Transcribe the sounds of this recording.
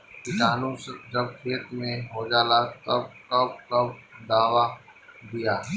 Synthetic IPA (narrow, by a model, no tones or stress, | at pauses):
kɪkaːnũsd͡ʒɐb̚kʰeːt̪mẽɦod͡ʒaːlat̪ɐbkɐbkɐbd̪aːʋad̪ijaː